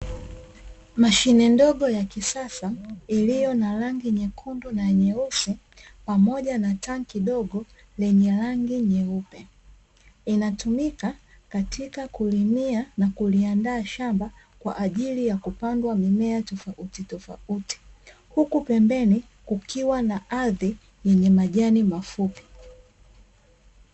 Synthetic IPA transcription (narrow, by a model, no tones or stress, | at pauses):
maʃinɛndɔɠɔjakisasailijɔnalaŋɡiɲɛkʰundɔnaɲɛusi | pamɔʄanataŋkiɗɔɡɔ | lɛɲɛlaŋɡiɲɛupɛ | inatumika | katʰikakulimianakuliandaːʃamba | kwa̰ʔːʄilijakupandwamimɛatɔfaʔutitɔfa̰uti̥ | hukupɛmbɛni | kukiwanaʔaði | jɛɲɛmaʄanimafupi̥